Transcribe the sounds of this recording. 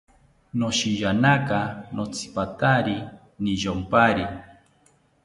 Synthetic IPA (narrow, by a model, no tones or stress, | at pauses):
noʃijanakanʔot͡sʰi̥pat̪aɾi | niʒompaɾi